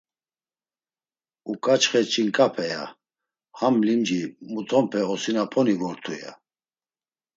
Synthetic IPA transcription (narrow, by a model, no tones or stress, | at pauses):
ukʼat͡ʃχɛt͡ʃʼiŋkʼapʰɛja̰ | hamlimd͡ʒimut̪ʰɔmpʰɛɔsinapʰɔnivɔɾt̪ʰuja̰